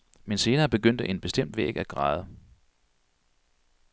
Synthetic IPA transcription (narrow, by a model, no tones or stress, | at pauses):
mense̝ːnɐːb̥e̝ɡ̥øn̰d̥əʔe̝nb̥e̝sd̥em̰d̥ʋḛːɡ̥æɡ̥ʁɑ̈ːð̩ˠə